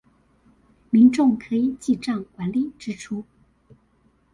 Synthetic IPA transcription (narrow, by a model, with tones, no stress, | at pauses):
mi˧˥nʈ͡ʂʊ˥˩ŋkʰɤ˧˥i˨˩t͡ɕi˥˧ʈ͡ʂɑ˥˩ŋkwa˧˥nli˨˩˦ʈ͡ʂɻ̩˥ʈ͡ʂʰu˥